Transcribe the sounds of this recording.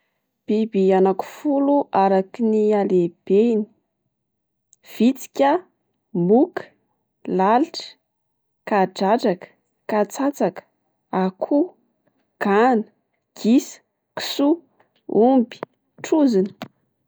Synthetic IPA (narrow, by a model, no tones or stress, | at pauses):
b̥ibianaku̥fuluʔaɾakinialeb̥eini̥ | v̥it͡si̥kʲa | mukə̥ | laliʈ͡ʂə̥ | kaɖ͡ʐaʈ͡ʂakə̥ | kat͡sat͡sakə̥ | akʰu | ɡ̥anə̥ | ɡ̥isə̥ | ki̥su | umbi̥ | ʈ͡ʂuzini̥